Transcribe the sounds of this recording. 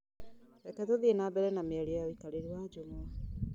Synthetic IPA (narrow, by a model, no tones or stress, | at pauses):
tɛkɛtoðienabɛɾɛnamiaɾiajɔikaleɾwad͡ʒomwa